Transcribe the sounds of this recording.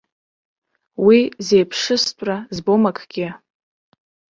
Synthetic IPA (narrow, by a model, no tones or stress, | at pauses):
wize̞jpʰʂɨstʷʼrazbomakʰʼɡ̥ʲɪ